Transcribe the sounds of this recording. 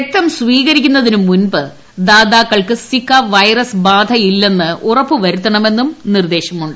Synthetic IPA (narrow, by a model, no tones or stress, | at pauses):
ek̚t̪ːɐmsʋiːɣɐɾikʲːunːɐðinumːunbɨ | d̪aːd̪aːkːɐɭkɨsikːɐʋɐjrɐsbaːd̪ʱɐjilːe̞nːɨʔurɐpːɨʋɐɾut̪ːɐɳɐme̞nːumnird̪e̞ːɕɐmuɳɖɨ